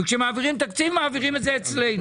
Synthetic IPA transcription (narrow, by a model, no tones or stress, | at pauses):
ukʃɛmaːviʁimt̪akt͡sivmaːviʁimɪzɛɛt͡sleɪn